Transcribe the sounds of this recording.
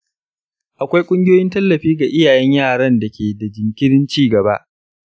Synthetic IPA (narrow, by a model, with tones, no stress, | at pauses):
ʔa˨kʷa˦jkʷʼʊ˦ŋɡʲɪ˦joː˦jɪ˦ntɐ˦lːɐ˨ɸiː˦ɡa˨ʔɪ˦jaː˨jɛ˦ɲjaː˦˨ɽɐ˦nda˨kʲʰeː˨da˨d͡ʒɪ˨ŋkʲɪ˦ɽɪ˦nt͡ʃiː˦ɡɐ˨ba˦ʔ